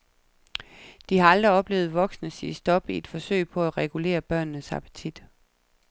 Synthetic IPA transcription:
d̥ihɑ̈ɑ̈ld̥ʁiɒ̽b̥le̝ːʊð̞̩ˠʋɒ̽ɡ̥snəsisd̥ɒ̽b̥ie̝d̥fɒ̽sø̰ɪ̰pʰɒ̽æʁɛɡ̥ule̝̰ːɐb̥ɶɐ̰nːəshɑpʰæ̥t͡sʰid̥

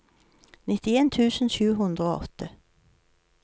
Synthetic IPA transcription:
nɪt̪ɪeːnt̪ʰʉːsən̩ʃʉːɦʉnd̪ɾəoːʔɔ̰t̪ʰə

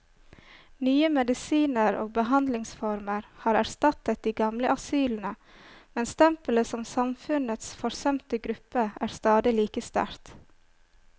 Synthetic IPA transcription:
nyːəmɛd̪ɪsiːnəɾo̰ːbəhɑnd̪lɪŋsfɔɾməɾhɑːɾæɾst̪ɑt̪ət̪̚d̪iːɡɑmləʔɑsyːln̩ə | mɛnst̪ʰɛmpələsɔmsɑmfʉnət̪sfɔɾsɛmt̪əɡɾʉpəæːɾst̪ɑːd̪ɪliːkəst̪æ̰ɾt̪

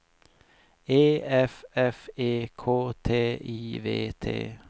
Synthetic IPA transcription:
eːɛfɛfeːkʰoːt̪ʰeːiːvḛːt̪ʰḛː

